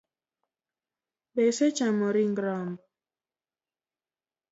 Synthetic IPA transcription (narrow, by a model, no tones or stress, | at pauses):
beset͡ʃamɔɾiŋɡɾɔm